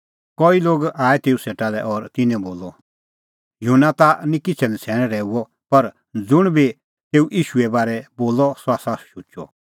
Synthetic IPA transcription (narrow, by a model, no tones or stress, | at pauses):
kɔiloːɡaːɛt̪eːuseːʈalɛʔɔːɾt̪ɪnɛ̃boːlɔ | junat̪anĩkɪt͡sʰɛlit͡sʰɛːɽ̃ɛ̃ɾɛːuɔ | pɐɾ | d͡zʊɽ̃bi | t̪eːuʔiːʃuɛbaːɾɛboːlɔsɔasaʃut͡ʃɔ̰